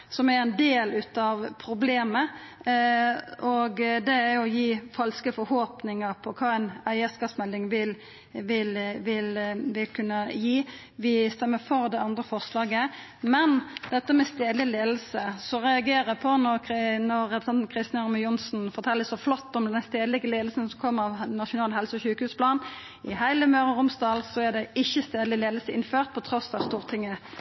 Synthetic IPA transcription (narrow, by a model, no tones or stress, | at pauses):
sɔmæɾɛnd̪eːlʉːt̪ɑʋpʰɾʊbleːmə | ʔɔɡd̪ɛæɾjʊɔjiːfɑlskəfɔɾhoːpnɪŋəɾpʰɔkʰɑːæɪnæɪəskɑːsmɛld̪ɪŋʋɪl | ʋɪlʋɪlʋɪlkʰʉnːəjiː | ʋɪst̪ɛmːəfɔɾd̪ɛɑnd̪ɾəfɔʁʂlɑːɡə | mɛnd̪̥ɛt̪ːəmɛst̪eːd̪lɪleːd̪l̩səsɔʁɛɑɡeːʁəpʰɔnɔʁnɔʁːɛpɾəsɛnt̪n̩kʰʁɪst̪ːnɑʁməjʊnsnfɔɾt̪ʰɛlːəsɔflɔt̪ːɔmd̪ɛnst̪eːd̪lɪɡəleːd̪l̩sən̩sɔmkʰɔmːəɑʋnɑʂʊnɑːlhɛlsəɔçʉːkəhʉːspʰlɑːn | ɪhæɪləmøːɾəʁʊmsd̪ɑːlsɔæʁd̪ɛʔɪçːəst̪eːd̪lɪleːd̪lsəɪnføːʁt̪̚pʰɔt̪ʰɾɔsːɑʋst̪uːʁt̪ʰɪŋːə